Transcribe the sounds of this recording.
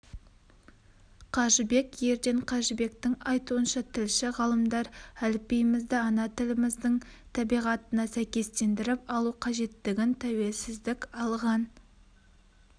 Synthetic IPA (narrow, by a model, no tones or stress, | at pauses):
qʰɑʒəbe̞kje̞ɾd̪e̞ɴqʰɑʒəbe̞kt̪ɪŋɑjt̪uənʃɑt̪ʰɪlʃɪʁɑlˠəmd̪ɑɾælɪpːejmɪzd̪ɪɑnɑt̪ʰɪlɪmɪzd̪ɪŋt̪ʰɑbijʁɑt̪ənɑsæjkʲe̞st̪e̞nd̪ɪɾɪpɑlˠuqʰɑʒe̞t̪ːɪɡʲɪnt̪ʰæwe̞lsɪzd̪ɪkʲɑlˠʁɑn